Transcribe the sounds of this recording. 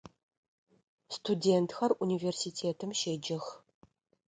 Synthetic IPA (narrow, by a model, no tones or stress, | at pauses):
stʰudʲeːntʰxɐrʔunʲiːvʲersitʰeːtʰɨmʃeːd͡ʒɪx